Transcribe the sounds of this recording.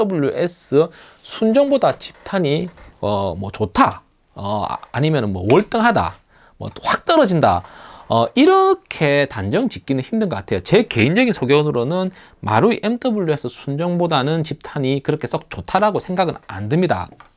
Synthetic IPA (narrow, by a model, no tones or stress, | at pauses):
ʌbuʎːjuʔes͈ɯ | sʰund͡ʑʌŋbodat͡ɕi̥p̚tʰaɲiʌmwʌt͡ɕotʰa | ʌ̰a̰ɲimjʌnɯnmwʌ̰wʌɭt͈ɯŋɦada̰ | mwʌ̰ɸwak̚t͈ʌɾʌd͡ʑinda̰ʌiɾʌkʰe̞tand͡ʑʌŋt͡ɕik͈inɯnçʰimdɯnɡʌk͈atʰe̞jot͡ɕe̞ke̞ind͡ʑʌɡinsʰoɡjʌnɯɾonɯn | ma̰ɾuiʔemtʰʌbuʎːjue̞s͈ʰɯsʰund͡ʑʌŋbodanɯnt͡ɕip̚tʰaɲikɯɾʌkʰe̞s͈ʌk̚t͡ɕotʰaɾaɡosʰe̞ŋɡaɡɯna̰ndɯmɲida̰